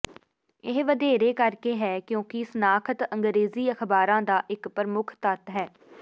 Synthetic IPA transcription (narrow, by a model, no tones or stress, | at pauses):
ɪɦʋəd̪eːɾeːkəɾkeːɦɛːkjõːkɪsənaːkʰət̪ə̃ŋɡɾeːziːəkʰbaːɾãːd̪aːʔɪkpəɾmʊkʰt̪ət̪ɦɛː